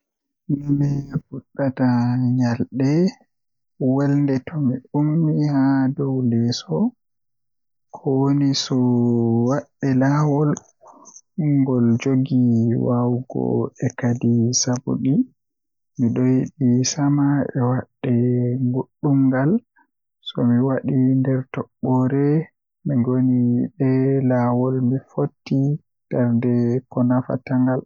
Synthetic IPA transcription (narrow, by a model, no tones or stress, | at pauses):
mɛfuɗːataɲalɗɛ | wɛlndɛtʰɔmiʔumːihadɔwlɛsɔ | kʰɔwonisɔwaɗːɛlaːwɔl | uŋɡɔld͡ʒoɡiwawɡɔ̰ɛkadisabṵɗi | miɗɔjiɗisamaɛ̰waɗːɛŋɡoɗːumɡal | sɔmiwaɗindɛɾtɔɓːɔɾɛ | miɡoniɓɛlawɔlmifotːi | taɾndɛkɔnafa̰taŋɡal